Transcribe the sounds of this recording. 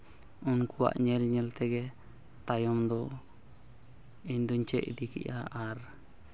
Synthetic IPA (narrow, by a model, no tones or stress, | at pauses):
unkuwa̰ʔɲɛlɲɛlt̪ɛɡɛ | t̪ajɔmd̪ɔ | iɲd̪uɲt͡ʃɛʔid̪ikḭʔaaɾ